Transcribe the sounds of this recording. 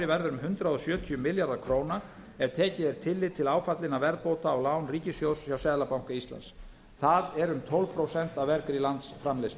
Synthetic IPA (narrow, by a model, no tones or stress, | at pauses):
ɪvɛɾðʏɾʏmɦʏnt̪ɾaðɔsjœːt̪ʰiʏmɪljaɾðḁkʰɾoːwna | ɛɾ̥t̪ʰɛːcɪðɛɾt̪ʰɪlːɪðt̪ʰɪlaːwfat̪lɪnavɛɾðpowt̪aɔɣlaːwnriːcɪsjowssjawsɛːðlapawŋ̥kaist̪la̰ns | θaðɛɾʏmt̪ʰɔlvpʰɾowsɛn̥t̪avɛɾkɾilant̪sfɾamlɪst̪